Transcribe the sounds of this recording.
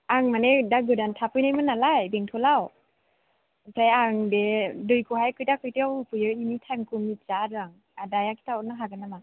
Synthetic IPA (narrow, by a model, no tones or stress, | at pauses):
aŋmanedaɡɯdantʰapʰɯjnajmɯnalajbeŋtʰɔlaw | sʰajaŋdedɯjkʰɯhajkʰɯjtakʰɯjtiawpʰɯjɯinitʰamkʰumit͡ʃadaŋ | adajakʰi̥tʰaɔnaɦaɡanama